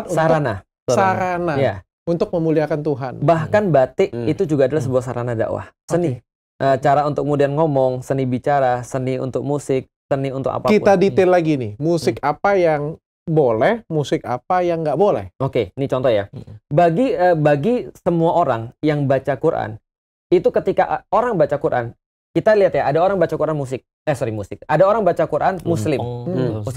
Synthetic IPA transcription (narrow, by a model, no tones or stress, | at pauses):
saɾana | suaɾanaja | unt̪ʊk̚məmuliakant̪uɦanbahkanbat̪ɪʔit̪ud͡ʒuɡaːdalahs̬əbuahsaɾanada̰ʔwa̰hsənɪ | ʔət͡ʃaɾaunt̪ʊk̚mudianŋomɔŋsənibit͡ʃaɾasəniṵnt̪ʊk̚musɪk̚səniunt̪ʊ̰ka̰pakit̪adit̪ɪlaɡinɪmusɪkapajaŋ | bolɛhmusɪka̰pajaŋɡaʔbolɛ̰hokenit͡ʃɔnt̪ɔhjabaɡiəbaɡisəmuaʔoɾaŋjaŋbat͡ʃakuɾʔa̰n | it̪ukət̪ikaʔoɾaŋbat͡ʃakuɾʔa̰n | kit̪aliɦat̪jaʔadaoɾaŋbat͡ʃakuɾanmus̬ɪk̚ | əsuɾimusɪk̚adaoɾaŋbat͡ʃakuɾʔanmuslɪm̩